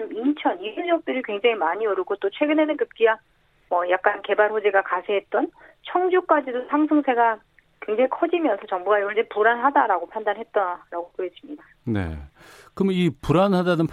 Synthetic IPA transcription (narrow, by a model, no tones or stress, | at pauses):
mit͡ɕʰʌniid͡ʑʌk̚t͈ɯɾikwe̞ŋd͡ʑaŋimaɲiʌɾuɡot͈ot͡ɕʰwe̞ɡɯne̞nɯnkɯp̚k͈iɡa | mʌjak͈̚anke̞baɭɸod͡ʑeɡakasʰeɦet̚t͈ʌnt͡ɕʰʌŋd͡ʑuk͈ad͡ʑidosʰaŋsʰɯŋsʰe̞ɡa | kwe̞ŋd͡ʑaŋikʰʌd͡ʑimjʌnsʰʌt͡ɕʌŋbuɡaiɡʌɭd͡ʑepuɾanɦadaɾaɡopʰandanɦe̞t̚t͈aɾaɡopoɦed͡ʑ͈imɲida | ne̞̰ | kɯmipuɾanɦadanɯnpʰ